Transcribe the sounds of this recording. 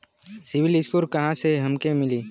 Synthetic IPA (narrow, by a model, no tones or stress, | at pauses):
sɪʋɪlɪskuːɾkɐɦãseɦɐmkemɪliː